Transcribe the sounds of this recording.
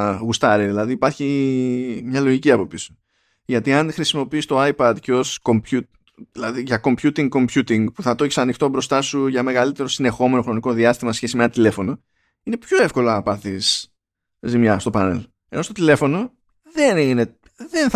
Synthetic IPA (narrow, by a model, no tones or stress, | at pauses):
ɣust̪ɐɾiðilɐðiipɐɾçi | mɲɐlo̞ʝiciɐpo̞pisu̥ | ʝɐt̪iɐnxɾisimo̞piist̪o̞ajpɐd̪ceo̞sko̞mpçut̪ | ðilɐðiʝɐko̞mpçut̪iŋɡko̞mpç̥ut̪iŋɡpuθɐt̪oçi̥sɐnixt̪o̞bɾo̞st̪ɐsuʝɐme̞ɣɐlit̪e̞ɾosine̞xo̞me̞no̞xɾo̞niko̞ðiɐst̪imɐsesçe̞simenɐt̪ile̞fo̞no̞ | ine̞pço̞e̞fko̞lɐɐpɐθis | zimɲɐst̪o̞pɐne̞̰l | eno̞st̪o̞t̪ile̞fo̞no̞ | ðe̞nine̞ | ðe̞nθ